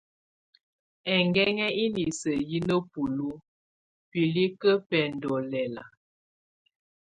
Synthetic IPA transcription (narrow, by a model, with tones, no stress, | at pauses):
ɛ˨ŋɡɛ˦ŋɛ˦i˦li˨sə˨ji˦nə˦pu˨lu˦ | pi˨li˦kə˦pɛ˨ndɔ˨lɛ˨la̰˨